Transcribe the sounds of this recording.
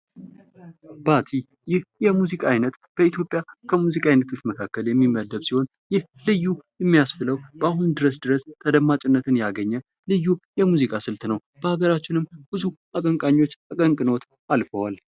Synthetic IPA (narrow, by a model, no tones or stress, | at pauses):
bat̪ʰi | jɪhjɛmuzikʼaajnət̪ | b̥əit̪ʰjo̞pʼjakʰəmuzikʼajnət̪ʰo̞t͡ʃːməkʰakːəljɛmːimːəd̪əβsiho̞n | jɪh | lɨjːujɛmːijasfɨləwb̥əahund̪ɨɾəsd̪ɨɾəst̪ʰəd̪əmːat͡ʃʼɪnːət̪ʰɨnjaɡəɲːə | lɨjːujɛmuzikʼasɨlt̪nəw | b̥əhaɡəɾat͡ʃːɪnɨmb̥ɨzuʔakʼəŋkʼaɲːwo̞t͡ʃːakʼəŋkʼɨno̞t̪ | ʔalfəwal